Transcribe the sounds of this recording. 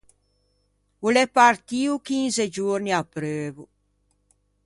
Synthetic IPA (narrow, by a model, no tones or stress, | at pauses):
ulɛpaɾt̪iːukinzed͡ʒuɾniapːɾøːvu